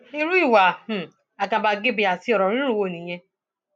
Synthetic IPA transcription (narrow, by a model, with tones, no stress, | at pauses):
i˦˧ɾu˦i˦˨wa˨h̩˨ | a˨ka˧ba˧ɡe˦bi˧a˨si˧˦ɔ˨ɾɔ˨ɾ̃ĩ˦ɾu˦˨wo˦˨nĩ˨j̃ɛ̃˧